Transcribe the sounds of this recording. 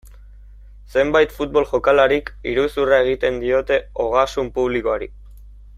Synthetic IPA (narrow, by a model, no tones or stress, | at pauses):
se̞mbajt̪fut̪̚bo̞lʝo̞kalaɾikiɾusurae̞ɣit̪e̞nd̪io̞t̪e̞o̞ɣ̞asumpuβ̞likoaɾḭ